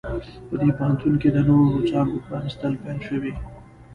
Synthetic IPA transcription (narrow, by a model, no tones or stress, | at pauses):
pəd̪epahant̪unked̪ənoɾot͡ʃɑŋɡopɾɑnɪst̪əlpajɑnʃəwi